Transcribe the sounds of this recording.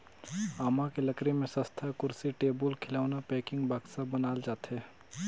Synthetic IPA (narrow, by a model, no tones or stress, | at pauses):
aːmakeləkɾemẽsə̃st̪ʰakʊɾsiʈeːbəlkʰɪlaːʊnapɛːkɪ̃ŋɡbʱaksabənaːld͡ʒaːt̪ɦɛː